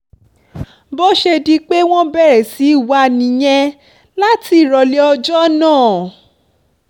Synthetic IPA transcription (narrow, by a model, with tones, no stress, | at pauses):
bɔ˦ʃe˧di˧k͡pe˦w̃ɔ̃˦bɛ˦˨ɾɛ˨si˨˦i˦˨wa˨˦˨nĩ˨j̃ɛ̃˧ | la˦ti˧˦˨ɾɔ˧le˨˦ɔ˧d͡ʒɔ˦nãː˦˨